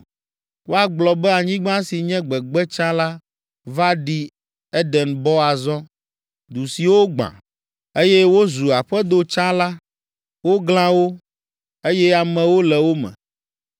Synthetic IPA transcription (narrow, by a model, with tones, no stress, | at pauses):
wo˦a˨ɡ͡blɔ˨bɛ˦a˨ɲĩ˦ɡ͡bã˦si˨ɲɛ̃˦ɡ͡bɛ˨ɡ͡bɛ˦t͡ʃã˦la˦ | va˦ɖi˦ | ɛ˦ɖɛ˨nbɔ˦a˨zɔ̃˦ | d̪u˨si˨wo˦ɡ͡bã̰˨ | e˦jɛ˦wo˦zu˨a˨ɸɛ˦d̪o˨t͡ʃã˦la˦ | wo˦ɡl̃ã˦wo˦ | e˦jɛ˦a˨mɛ̃˨wo˦lɛ˨wo˦mɛ̰̃˨